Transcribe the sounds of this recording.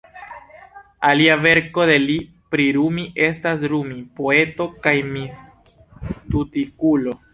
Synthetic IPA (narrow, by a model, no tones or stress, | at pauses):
aliave̞ɾko̞de̞li | pɾiɾumiʔe̞stas̬ɾumipo̞e̞to̞kajmis | tutikulo̞